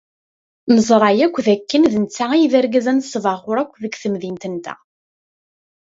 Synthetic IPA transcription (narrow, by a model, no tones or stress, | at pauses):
məzˤɾˤɑjækʷːðækːənðənt͡sːaijðæɾɡæzænsˤːvɑʁʊɾˤækʷːðəɡθəmðint̪ənt̪æ̰